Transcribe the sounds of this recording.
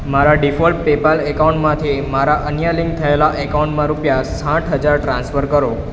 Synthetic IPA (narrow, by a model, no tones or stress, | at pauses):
maɾaɖifɔlppepəlekaũɳʈmãt̪ʰimaɾaʔənjalɪ̃ŋɡ̚t̪ʰəelaʔekaũɳʈmãɾupjasãʈʰɦəd͡ʒaɾʈɾãnsfəɾkəɾo